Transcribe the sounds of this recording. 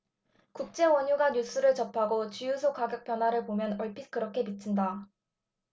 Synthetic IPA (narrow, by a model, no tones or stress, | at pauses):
kuk̚t͡ɕ͈e̞wʌɲuɡaɲus͈ʰuɾɯɭt͡ɕʌpʰaɡot͡ɕijusʰokaɡjʌk̚p͈jʌnɦwaɾɯɭpomjʌnʌɭpʰikɯɾʌkʰe̞pit͡ɕʰinda